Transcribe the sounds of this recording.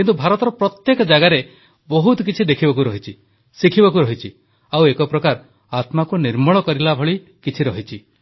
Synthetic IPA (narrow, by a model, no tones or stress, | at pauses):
kint̪ubʱaɾɔt̪ɔɾɔpɾɔt̪jekɔd͡ʒaɡaɾe | bɔɦut̪ɔkit͡ʃʰid̪ekʰibɔk̬uɾɔɦit͡ʃʰi | sikʰibɔkuɾɔɦit͡ʃʰi | awekɔpɾɔkaɾ | at̪makuniɾmɔɭɔkɔɾilabʱɔɭi | kit͡ʃʰiɾɔɦit͡ʃʰi